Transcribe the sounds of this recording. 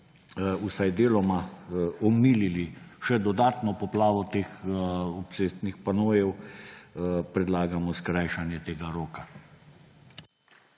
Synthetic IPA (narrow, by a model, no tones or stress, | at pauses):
usajd̪eːlɔmaɔmiːliliʃɛd̪ɔd̪aːt̪nɔpɔplaːʋɔt̪eːxɔpseːst̪nixpanoːjɛw | pɾɛd̪laːɡamɔskɾajʃanjɛt̪eːɡaɾoːka